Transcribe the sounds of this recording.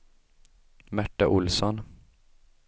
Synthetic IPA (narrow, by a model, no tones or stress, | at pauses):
mæʈːaʔʊlsɔn